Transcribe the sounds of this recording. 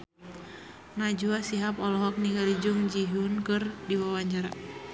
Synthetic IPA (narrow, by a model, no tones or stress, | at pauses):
nad͡ʒuasiɦapɔlɔɦɔk̚niɡalid͡ʒuŋd͡ʒiɦunkɨrdiwawaɲd͡ʒaɾa